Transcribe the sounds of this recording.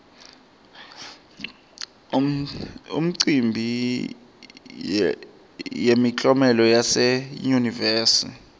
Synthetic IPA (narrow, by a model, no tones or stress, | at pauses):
ṵm̩ǀimbʱi | jemit͡ɬʼɔmɛlɔjasɛjunivɛːsḭ